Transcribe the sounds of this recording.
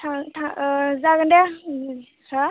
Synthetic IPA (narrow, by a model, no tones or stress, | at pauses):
tʰatʰazaɡɯnde | sa